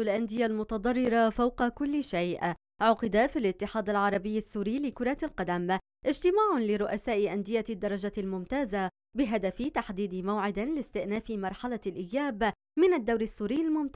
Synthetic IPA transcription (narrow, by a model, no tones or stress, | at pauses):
alʔand̪ɪjalmʊt̪ɑd̪ˤɑrˤːɪɾɑfawqɑkʊlːɪʃajʔ | ʕʊqɪd̪afilʔɪt̪ːɪħɑːd̪alʕɑɾˤɑbɪjːasːuːɾiːlɪkʊɾˤɑlqɑd̪am | ʔɪd͡ʒt̪ɪmaːʕʊlɪɾʊʔasaːʔɪʔand̪ɪjad̪ːɑɾˤɑd͡ʒalmʊmt̪aːza | bɪɦad̪afɪt̪aħd̪iːd̪ɪmawʕɪd̪ɪlɪst̪ɪʔnaːfɪmɑɾˤħalalʔɪjːaːb | mɪnad̪ːawɾasːuːɾiːalmʊmt̪a